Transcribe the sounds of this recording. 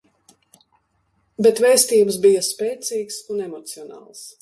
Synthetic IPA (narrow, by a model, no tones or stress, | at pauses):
bet̪vɛːst̪iːbəs̬bijɐspɛːt̪siːksunɛmɔt̪siɔnɑ̰ːlˠs